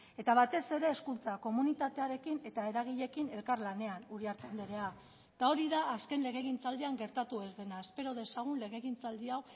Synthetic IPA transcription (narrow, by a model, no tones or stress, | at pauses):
e̞t̪aβat̪e̞se̞ɾe̞ːskunt͡sako̞munit̪at̪e̞aɾe̞kine̞t̪ae̞ɾaɣ̞iʎe̞kine̞lkaɾlane̞anuɾiaɾt͡s̪end̪eɾe̞a | t̪ao̞ɾiðaːske̞nle̞ɣe̞ɣint͡sald̪iaŋɡe̞ɾt̪at̪ue̞zðe̞naespe̞ɾo̞ðe̞saɣ̞unle̞ɣ̞e̞ɣint͡sald̪iaw